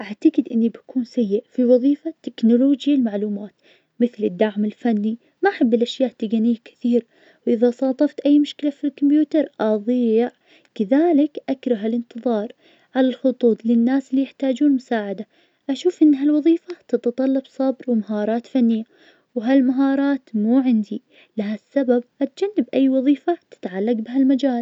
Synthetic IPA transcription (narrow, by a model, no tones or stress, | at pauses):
ʔaʕt̪aɡɪd̪ʔɪnːibakuːnsajːɪʔfiwɑðˤiːfat̪ːɪknʊloːd͡ʒjalmaʕluːmaːt̪ | mɪθlɪd̪ːaʕmɪlfanːi | maʔħabːɪlʔaʃjaːʔt̪ːɪɡanɪjːakɪ̥θiːɾa | wʔɪðasˤɑːt̪ˤɑft̪ʔajːmʊʃkɪlafilkʊmbjuːt̪ɑɾˤʔɑðˤiːʕ | kaðaːlɪkʔakɾˤɑɦalɪnt̪ɨðˤɑːɾˤ | ʕalalxʊt̪ˤuːt̪ˤlɪnːaːsɪlːiːjɪħt̪aːd͡ʒuːnmʊsaːʕad̪a | ʔaʃuːfʔɪnːɦalwɑðˤiːfat̪ɪt̪ɑt̪ˤɑlːɑbsˤɑbɾwmaɦɑːɾˤɑːt̪fanːɪjːa | wɦalmaɦɑːɾˤɑːt̪muːʕɪnd̪i | laɦasːabab̚ʔat̪̚d͡ʒanːɪbʔajːwɑðˤiːfat̪ɪ̥t̪ʕalːaɡbɪɦalmad͡ʒaːl